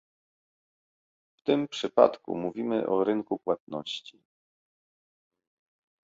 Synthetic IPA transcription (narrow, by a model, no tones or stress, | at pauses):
ft̪ɘmpʂɘpa̰t̪kṵmuvʲimɘ̰ʔɔɾɘŋkupwat̪̚nɔ̰ɕt͡ɕi